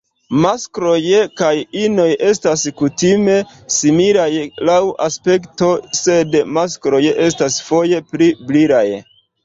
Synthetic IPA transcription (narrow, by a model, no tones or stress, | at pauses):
maskɾo̞jkajino̞jʔe̞staskutime̞ | simiɾajlawʔa̰spe̞kto̞se̞dmaskɾo̞jʔe̞stasfo̞je̞pɾibliɾaj